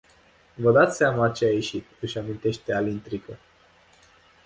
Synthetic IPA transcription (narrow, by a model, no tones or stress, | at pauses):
vəd̪at̪seamat͡ʃe̞aje̞ʃit̪ɨʃamint̪e̞ʃt̪e̞alint̪ɾikə